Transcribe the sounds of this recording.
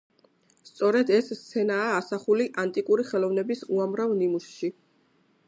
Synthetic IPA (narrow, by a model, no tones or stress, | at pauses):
st̪sʼɔɾɛd̪ɛst̪sʰɛnaːsaχuliʔant̪ʼikʼuɾiχɛlˠɔvnɛbisuamɾavnimusʃi